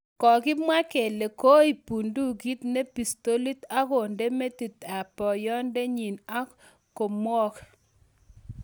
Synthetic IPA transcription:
kɔ˨ɡɪ˦mwa˦ke˨le˨ko˦i˨pu˨ndu˦ɡi˦t̪ne˦pi˨st̪o˦li˦t̪a˦ko˨nde˦me˦t̪i˨t̪a˨pɔ˨jɔ˦nde˦ɲi˨na˦ | ko˨mwɔ˦k

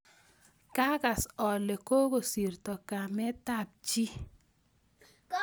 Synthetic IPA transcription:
ka˦ka˨sɔ˨le˨ko˦ko˨si˨rtɔ˨ka˨mɛ˦ta˦˨p̚t͡ʃi˦

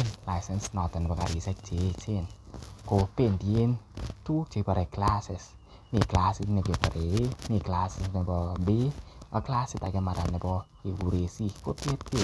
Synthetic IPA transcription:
nla˧jsɛ˧nsnɔ˨t̪ə˨n˨bɔ˨ka˨ɾi˨sɛ˧k̚t͡ʃe˨˦t͡ʃe˦˨nko˧pe˧˨ndi˨e˦ntu˦t͡ʃe˨˧pa˨ɾe˨kla˦sɪ˨s | ni˨kla˧sɪ˧snɛ˧˨ke˨pa˨ɾe˨˦ni˧˨kla˧sɪ˧sna˧bɔ˧be˦a˧kla˦si˧ta˨ke˧ma˨ɾa˨nɛ˨bɔ˧ | e˨ɡu˨ɾe˧si˧ko˦te˦t̚ke˨

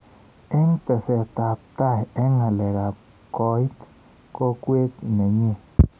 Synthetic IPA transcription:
e˦ŋt̪e˨se˧t̪a˨p̚t̪a˦je˦ŋa˨le˨ɡa˨ | ko˧˦jt̪ | ko˦kʷe˦k̪ne˨ɲe˧

